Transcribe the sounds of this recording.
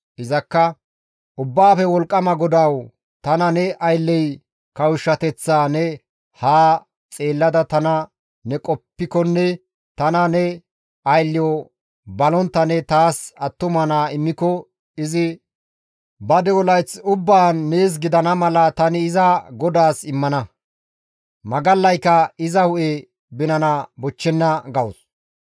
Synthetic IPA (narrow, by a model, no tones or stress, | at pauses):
ʔɪzɐkːɐ | ʔʊbːaːfɛwɔlkʼːɐmɐɡɔd̪ɐw | t̪ɐnɐnɛʔɐjlːɛj | kɐwʊʃːɐt̪ɛt͡sːaːnɛ | haː | t͡sʼe̞ːlːɐd̪ɐt̪ɐnɐ | nɛkʼɔpːɪkɔnːɛ | t̪ɐnɐnɛ | ɐjlːɪjɔ | bɐlɔnt̪ːɐnɛt̪aːsɐt̪ːʊmɐnaːɪmːɪkɔ | ɪzɪ | bɐd̪ɛwɔlɐjt͡sʊbːaːnːe̞ːs̬ɡɪd̪ɐnɐmɐlɐt̪ɐnɪɪzɐɡɔd̪aːsɪmːɐnɐ | mɐɡɐlːɐjkːɐɪzɐhʊʔe | bɪnɐnabɔt͡ʃːɛnːɐɡɐwʊs